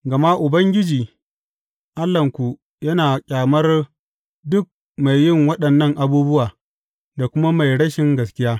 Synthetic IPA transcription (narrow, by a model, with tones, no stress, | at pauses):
ɡɐ˨ma˦ʔʊ˨bɐ˦ŋɡʲɪ˦d͡ʒiː˨ | ʔa˦lːɐ˨ŋkʷu˨ | jɐ˦naː˨kʲʼaː˨mɐ˦r | dʊ˦k̚ | ma˨jːɪ˦˨ŋwɐ˦ɗɐ˨nːɐ˦ŋʔa˨buː˦bʊ˦waː˨ | da˨kʷʊ˦ma˦ma˨jɽɐ˦ʃɪ˨ŋɡɐ˨skʲɪ˦jaː˦